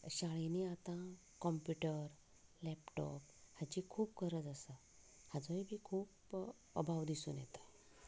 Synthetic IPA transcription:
ɕaɭiniat̪ã | kɔmpjuʈəɾ | lɛpʈɔp̚hat͡ɕiːkʰuːp̚kəɾəd͡zəsa | had͡zəibʱiːkʰuːp | ə̰bʱaʋd̪isṵːnjɛ̰t̪ḁ

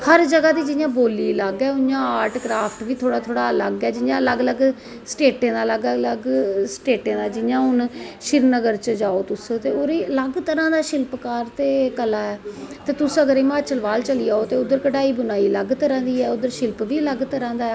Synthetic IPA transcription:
həɾd͡ʒəɡaːd̪iːd͡ʒɪjãːboːliːləɡɛːʊjãːaːɾʈkɾaːpʰʈʋiːt̪ʰoːɽaːt̪ʰoːɽaːləɡɛːd͡ʒɪjãːələɡələɡ | sʈeːʈẽːd̪aːləɡləɡsʈeːʈẽːd̪aːd͡ʒɪjãːɦʊnʃɪɾnəɡəɾt͡ʃəd͡ʒaːoːt̪ʊsːt̪eːoːɾeːələɡt̪əɾãːd̪aːʃɪlpkaːɾt̪eːkəlaːɛːt̪eːt̪ʊsəɡəɾeːmaːt͡ʃəlʋaːlt͡ʃəliːaːoːt̪eːʊd̪əɾkəɖaːiːbʊnaːiːləɡt̪əɾãːd̪iːɛːʊd̪əɾʃɪlpʋiːələɡt̪əɾãːd̪aːɛ

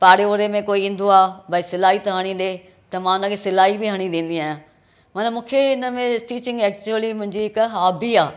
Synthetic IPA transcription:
paːɽeoɾemẽkoːiĩːn̆d̪oaːbʱɐisɪlaːɦit̪ɐɦɐɽ̃ĩɗe | t̪ɐmãːʊnə̃̆kʰesɪlaːɦibiɦɐɽ̃ĩɗ̪ĩːn̆d̪iaːjã | mɐnəmũːkʰeɪnəmẽʈiːt͡ɕɪ̃ŋɡɛːk̚t͡ɕuəlimʊ̃ɦɪ̃ɲd͡ʑiɦɪkɦaːbiaː

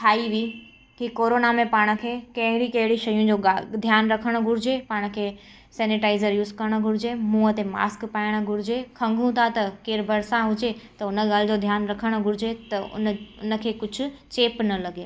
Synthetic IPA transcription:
t̪ʰaːiʋiː | kikoːɾoːnamẽpaːɽ̃ə̆kʰeːkɐ̃ɦɪɽikɐ̃ɦɪɽiʃɐjũd͡ʑoːad̪ʱjaːnɾɐkʰəɽ̃ɡʱʊɾɪd͡ʑepaːɽ̃̆kʰeː | sɛːnɪʈaːɪzəɾjuːzkɐɾəɽ̃̆ɡʱʊɾɪd͡ʑemũːət̪ema̰ːskpaːɪɽ̃ɡʱʊɾɪd͡ʑekʰɐ̃ŋɡʱũt̪ʰat̪ɐkeːɾbʱɐɾsãɦʊd͡ʑet̪ɐʊnəɠaːlɪd͡ʑod̪ʱjaːnɾɐkʰəɽ̃ɡʱʊɾɪd͡ʑet̪ɐʊ̰nʊ̰nə̆kʰeːkʊd͡ʑʱʊ̆t͡ɕeːpnɐlɐɡeː

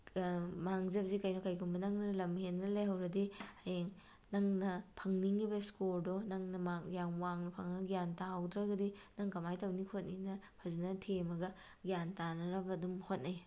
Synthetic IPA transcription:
maŋzɐb̚zikɐjnokɐjkʰumbɐnɐŋnɐlɐmhenːɐlejɦɐwɾɐdihɐjeŋ | nɐŋnɐpʰɐŋniŋibɐskoldɔnɐŋnɐmaŋjaŋwaŋnɐpʰɐŋɡijantaawdɾɐɡɐdinɐŋkɐmajtɐwnikʰot̚ninɐpʰɐzinɐtʰemɐɡɐ | ɡijantanɐɾɐbɐdumhot̚naj

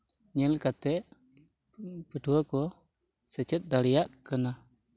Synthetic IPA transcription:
ɲəlkat̪ɛʔ | pəduəko | sət͡ʃət̪̚d̪alijaʔkəna

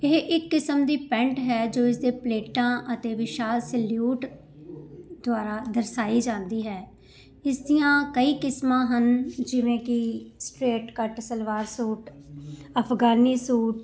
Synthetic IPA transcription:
ɪɦʔɪkːɪsəmd̪iːpɛ̃ːɳʈɦɛːd͡ʒoːɪsd̪eːpleːʈãːʔət̪eːʋɪʃaːlsɛːljuːʈ | d̪ʊaːɾaːd̪əɾsaːiːd͡ʒãːnd̪iːɦɛː | ɪsd̪ijãːkəiːkɪsmãːɦənd͡ʒɪʋẽːkɪsʈɾeːʈkəʈsəlʋaːɾsuːʈ | əpʰɡaːniːsuːʈ

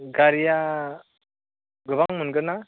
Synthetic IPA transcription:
ɡaɾija | ɡɯbaŋmɯnɡɯna

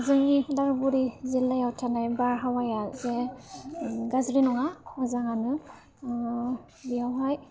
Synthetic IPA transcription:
azaŋidaɹbuɾizilːajawtʰanajbaɹɦawajazɛ | ɡazɹinɔŋaazaŋanɯ | bijawɦaj

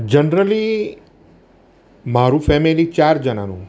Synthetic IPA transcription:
d͡ʒənɾəli | maɾũfɛmilit͡ʃaɾd͡ʒəna̰nũ

